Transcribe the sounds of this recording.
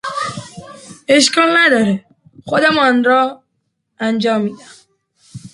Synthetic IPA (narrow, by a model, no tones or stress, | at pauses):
eʃkɔlnæd̪ɒɾe | xod̪emɔnɾɔ | ænd͡ʒɒːmːid̪am